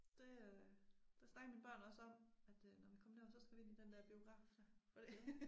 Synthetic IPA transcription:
d̥e̝ | d̥esnɑ̈ɡ̥ɐminb̥ɶɐ̰nɒ̽səɒ̽m̰æd̥nɒʋikʰɒ̽məneɐsɒ̽sɡ̥æʋie̝nid̥end̥æɐb̥io̝ɡ̥ʁɑ̈ːfd̥æfɒ̽d̥e̝

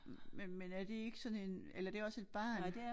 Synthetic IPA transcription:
menmenæɐd̥e̝e̝ɡ̥əsɒ̽ne̝nelɐd̥e̝ɒ̽se̝d̥̚b̥ɑ̰̈ːn

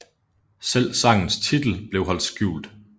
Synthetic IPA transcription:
sel̰sɑ̈ŋ̰n̩st͡sʰid̥l̩b̥le̝ʊɦɒ̽l̰d̥sɡ̥juːld̥

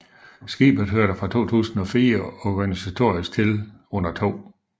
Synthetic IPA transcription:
sɡ̥ḭːb̥ð̩ˠɦøɐɾ̥əfʁɑ̈t͡sʰo̝̰ːt͡sʰṵːsn̩ɒ̽fiːɐɒɡ̥ænisæt͡sʰo̝ɐisɡ̥̚t͡sʰe̝lɔ̽n̰ɐt͡sʰo̝̰ː

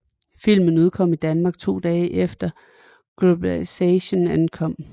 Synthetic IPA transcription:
fil̰mən̩uð̞̰ˠkʰɒ̽mid̥ænmɑ̈ːɡ̥̚t͡sʰo̝̰ːd̥ɛːʔefd̥ɐ | ɡ̥lo̝b̥ælisɛɕonænkʰɒ̽m̰

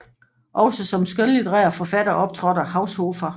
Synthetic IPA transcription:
ʔɒ̽ʊsɒsɒ̽msɡ̥øllid̥ʁɛːɐfɒ̽fæd̥ɐʔɒ̽b̥̚t͡sʰʁɒɾɐhɑ̈ʊsho̝ːfɐ

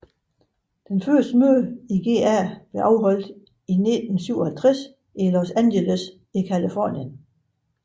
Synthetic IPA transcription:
d̥enfɶɐsd̥əmøðˠiɡ̥e̝̰ːæb̥le̝ʔɑ̈ʊɦɒ̽l̰d̥ | ine̝d̥n̩syʊ̰ɒhælt͡sʰʁɛs | ʔilɒsænjeləs | ikʰælifɒ̰ːnjən

